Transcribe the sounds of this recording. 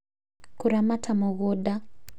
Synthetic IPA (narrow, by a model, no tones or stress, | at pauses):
kuɾamatʰamɔɣoda